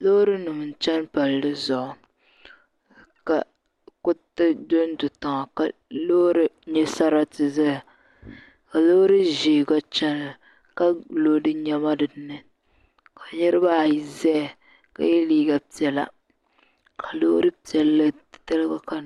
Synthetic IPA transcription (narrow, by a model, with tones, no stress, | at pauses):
lo˦ɾɨ˦nɨ˨m˨n˨t͡ʃɛ˦npa˨ldɨ˦zʊ˨ʔʊ˨ | ka˨ | kʊ˦tɨ˦do˦n˦dʊ˨ta˨ŋa˨ka˨lo˦ɾɨ˦ɲɛ˦sa˦ɾa˦tɨ˨za˦˨ | ka˨lo˦ɾɨ˦ʒeː˨ɡa˦t͡ʃɛ˦n˨ | ka˦lo˦dɨ˦ɲɛ˦ma˦dɨ˨˦nɨ˦ | ka˨ɲɛ˦ɾɨ˦ba˦˨ji˨zɛ˦˨ | ka̰˨jɛ˦liː˦ɡa˨pi˨ɛ˨la̰˦˨ | kʰa˨lo˦ɾɨ˦pi˨ɛ˨lːɨ˦ttɨ˦lɨ˦ɡa˦ka˨